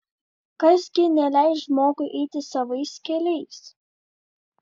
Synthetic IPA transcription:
kɐsɡʲɪnʲɛlʲæˑɪsʒmoːɡʊʔɛɪt̪ʲɪsɐʋɐɪskʲɛlʲɛɪs

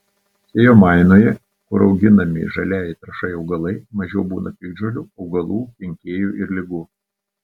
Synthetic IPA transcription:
sʲeːjoːmɑˑɪnoːjɛ | kʊɾɒʊɡʲɪnɐmʲɪ̰ʒɐlʲæːjɪt̪ɾɐʃɐɪɒʊɡɐlˠɐɪmɐʒʲɛʊbuːnɐpʲɪɡ̚d͡ʒolʲuːɒʊɡɐlˠuːpʲɪŋʲkʲeːjuːʔɪɾlʲɪɡuː

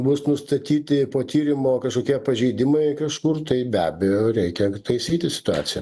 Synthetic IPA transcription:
bʊsnʊst̪ɐt̪ʲiːt̪ʲɪpoːt̪ʲiːɾʲɪmoːkɐʃkoːkʲiɛpɐʒʲɛɪd̪ʲɪmɐɪkɐʃkʊrt̪ɐɪbʲæːbʲejoːɾʲɛɪkʲɛt̪ɐɪsʲiːt̪ʲɪsʲɪ̥t̪ʊɑ̰ːsʲɪjɛ̰

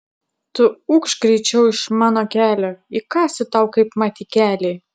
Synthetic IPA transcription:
t̪ʊʊkʃkɾʲɛɪt͡ʃʲɛʊɪʃmɑːnokʲæːlʲoːɪkɑːsʲɪt̪ɐʊkɐɪpmɑːt̪ʲikʲæːlʲeː

